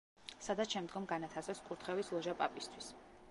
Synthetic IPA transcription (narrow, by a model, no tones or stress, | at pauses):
sad̪at̪ʃɛmd̪ɡɔmɡanat̪ʰasɛskʼuɾt̪ʰχɛvislˠɔʒapʼapʼist̪ʰwis